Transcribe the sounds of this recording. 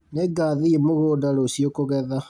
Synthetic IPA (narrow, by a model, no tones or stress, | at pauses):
neɡaðiemoɣoːdaɾosiokoɣɛða